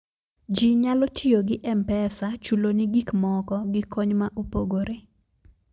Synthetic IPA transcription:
d͡ʒiɲalɔtʰioɡɪʔɛmpɛsat͡ʃulonɪɡikmɔkɔɡɪkɔɲmaʔupoɡoɾe

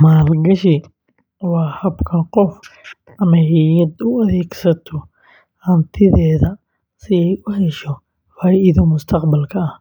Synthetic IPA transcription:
maːlɡɐʃɪ | wɑːhɐbkʰɐqɔf | ɐmɐɪjɐd̪ʊɐðɛːɡsɐt̪ʰɔ | hɐnt̪ʰɪðɛːðɐ | sɪɛjʊhɛʃɔ | faːʔɪðɔmʊst̪ʰɐqbɐlkʰɐɐh

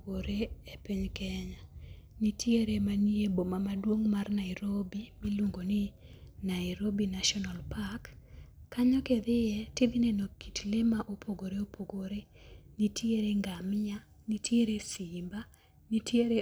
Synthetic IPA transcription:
oɾeepiɲkɛɲanitʰjeɾemaniebomamadwoŋmarnaɪɾobimiluŋɡonɪ | naɪɾobinaʃɔnalpakː | aɲɔked̪ɪjɛtɪd̪ɪnɛnokitlemaʔopʰoɡoɾeopoɡoɾenitʰjeɾeŋɡamɪa | nitjeɾesimba | nitjeɾe

